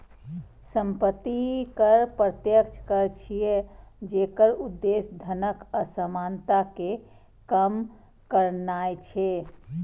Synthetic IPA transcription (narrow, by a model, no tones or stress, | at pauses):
səmpət̪ikəɾpɾət̪jəkt͡ʃʰkəɾt͡ʃʰijed͡ʒekəɾud̪ːesd̪ʱənəkəsəmant̪ake | kəm | kəɾnajt͡ʃʰe